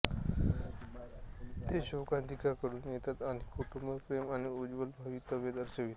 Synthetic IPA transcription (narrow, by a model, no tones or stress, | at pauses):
t̪eɕokãnt̪ikakəɾuːnjet̪at̪anikʰuʈumbəɾpɾemañiud͡ʑʋəlbʱaʋit̪əʋjed̪əɾɕəʋit̪